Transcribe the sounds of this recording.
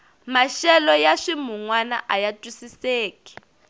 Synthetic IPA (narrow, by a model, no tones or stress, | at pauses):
maʃɛlɔjaʂimuŋwana̰ʔajatʼwisiseːkʼi̥